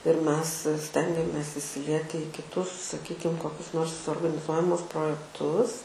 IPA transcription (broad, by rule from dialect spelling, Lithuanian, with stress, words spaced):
ɪr ˈmʲɛs ˈsʲtʲɛŋʲɡʲɛmʲeːs ɪsʲɪˈlʲiɛtʲɪ iː kʲɪˈtʊs sɐˈkʲiːkʲɪm koːˈkʲʊs ˈnoːrs oːrɡɐnʲɪˈzuɔjɛmʊs proːjɛkˈtʊs